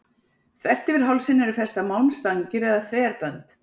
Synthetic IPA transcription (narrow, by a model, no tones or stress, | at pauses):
θvɛr̥t̪ɪvɪɾ̥ɦawlsɪnːɛɾʏfɛr̥st̪amawnst̪aŋcɪɾɪðaθvɛːɾpœnt̪